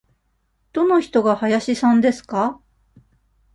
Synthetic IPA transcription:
d̪̥o̞no̞çi̥t̪o̞ɡahajaɕisãnd̪e̞sɨ̥ka

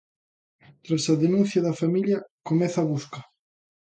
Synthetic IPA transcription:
t̪ɾasaðenũnθjaðafamiʎjakomeθaβuska

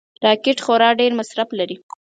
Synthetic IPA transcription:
ɾɑkɪʈxoɾɑɖeɾmasɾaflaɾi

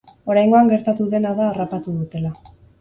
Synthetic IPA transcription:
o̞ɾajŋɡo̞aŋɡe̞ɾt̪at̪uðe̞naðaːrapat̪uðut̪e̞la

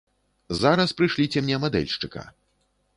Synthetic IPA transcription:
zaɾɐspɾɨʂlʲit͡sʲɛmnʲɛmad̪ɛ̰lʲʂt͡ʂɨka̰

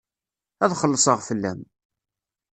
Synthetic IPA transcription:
æðχəlːəsˤəʁfəlːæ̰m

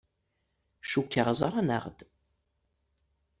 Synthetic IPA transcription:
ʃukʲːəʁzˤɑɾanə̰ʁd̪̥

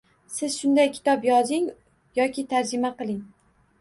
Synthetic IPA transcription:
sɪz̥ʃʊnd̪ajkʲʰɪ̥t̪ʰɒpjɒzɪŋ | jɒkʲʰɪt̪ʰaɾd͡ʒɪmaqɨlˠɪŋ

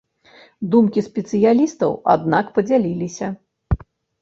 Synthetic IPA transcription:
d̪umkʲispʲɛt̪sɨjalʲist̪ɐwa̰d̪nakpɐd͡zʲalʲilʲisʲɐ

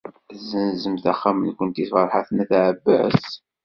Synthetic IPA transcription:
zənzəmθæχːamənkʷənt̪iθfɑɾˤħaθənæθʕəbːæ̰s

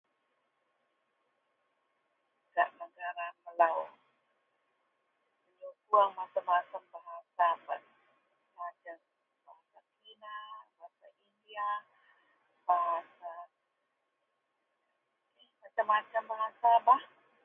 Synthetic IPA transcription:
ɡa̰ʔnəɡaɾaməlaw | kəɲokuaŋmat͡ʃambat͡ʃambaɦasaba̰ | bat͡ʃa | b̥aɦasakinabaasaindia | baɦasa | ɛhmat͡ʃamat͡ʃambaɦasabah

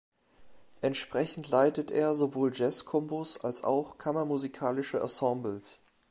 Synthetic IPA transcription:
ʔɛntʃpʁ̥ɛçn̩tʰlaɪtətʔeːɐzovoːld͡ʒɛskʰɔmbosa̰lsa̰ʊxkʰamɐmuzikʰaːlɪʃəʔa̰sɑ̃mbl̩s

